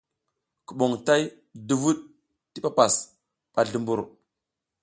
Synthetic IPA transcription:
ku˨ɓo˨ŋta˦j | du˨vu˦ɗ | ti˦pa˦pa˨s | ɓ̥a˨ɮu˨mbu˨ɾ

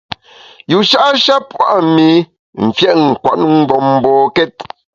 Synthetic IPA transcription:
ju˨ʃa˦ʔʃa˦pwa̰˦˨ʔmi˨˦ | m̩˨fjɛ˦ʔŋ̩˨kwa̰˨n˦ŋ̩˦bɔ˨mm̩˦bɔː˨kɛ˦t̚

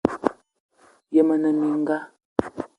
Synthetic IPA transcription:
jə˨mə˨nə˨mi˨ŋ˦ɡa˦

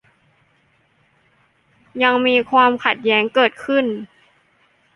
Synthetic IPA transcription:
ja˧ŋmiː˧kʰwaː˧mkʰa˨˩t̪̚jɛː˦˥ŋkɤː˨˩t̪̚kʰɯ˥˩n

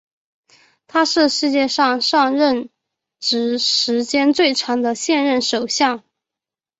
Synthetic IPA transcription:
t̪ʰa˥ʂɻ̩˥˧ʂɻ̩˥˧t͡ɕjɛ˥˧ʂɑ˥˧ŋʂɑ˥˧ŋɻə˥˩n | ʈ͡ʂɻ̩˧˥ʂɻ̩˧˥t͡ɕjɛ˥nt͡swe˥˩ɪʈ͡ʂʰɑ˧˥ŋd̪ə˧ɕjɛ˥˧nɻə˥˩nʂo˨˩ʊɕjɑ˥˩ŋ

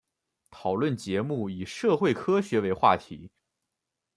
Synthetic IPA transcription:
t̪ʰɑ˨˩ʊlwə˥˩nt͡ɕjɛ˧˥mu˥˩i˨˩ʂɤ˥˧xwe˥˩ɪkʰɤ˥ɕɥɛ˧˥we˧˥ɪxwa̰˥˩t̪ʰḭ˧˥

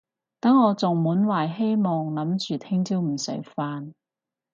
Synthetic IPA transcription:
t̪ɐ˨˥ŋɔː˨˧t͡sʊ˨ŋmuː˨˥nwaː˨˩jɦe˥jmɔː˨˩ŋlɐ˨˧˥mt͡ʃyː˨t̪ʰɪ˥ŋt͡siː˥wm̩˨˩sɵ̰˨˥ɥfaː˧n

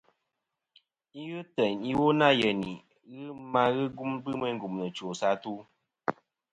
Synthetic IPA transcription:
i˦ɣɨ˦tə˨ɲi˦wo˦na˦jə˨ni˨ | ɣɨ˦ma˦ɣɨ˦ɡu˦mbɨ˦mə˦ŋ˦ɡu˨mnə˨t͡ʃo˨sa˦tu˦

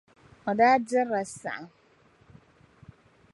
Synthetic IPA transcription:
ɔ˨daː˦dɪ˦ɾa˨sa̰˨ʔa˨

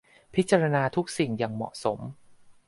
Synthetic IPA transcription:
pʰi˦˥t̪̚t͡ɕaː˧ɾa˧naː˧t̪ʰu˦˥k̚si˨˩ŋja˨˩ŋmɔ̰˨˩ʔso˩˦m

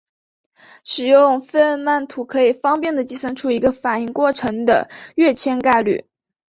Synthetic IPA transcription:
ʂɻ̩˨˩jʊ˥˧ŋfə˥˧nma˥˩nt̪ʰu˧˥kʰɤ˧˥i˨˩fɑ˥ŋpjɛ˥˩nd̪ə˩t͡ɕi˥swə˥nʈ͡ʂʰu˥˩i˧˥ɡə˧fa˨˩ni˥˧ŋkwɔ˥˩ʈ͡ʂʰɤ˧˥ŋd̪ə̰˧ɥɛ˥˩t͡ɕʰjɛ˥nka˥˧ɪly̰˥˩

